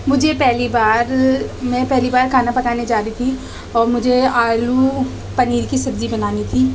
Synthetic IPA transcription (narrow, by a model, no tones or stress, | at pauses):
mʊd͡ʒʱepɛɦlibaːɾmɛ̃ːpɛɦlibaːɾkʰaːnapɐkaːned͡ʒaːɾit̪ʰi | ɔːɾmʊd͡ʒʱeaːlu | pɐniːɾkisɐbzibɐnaːnit̪ʰiː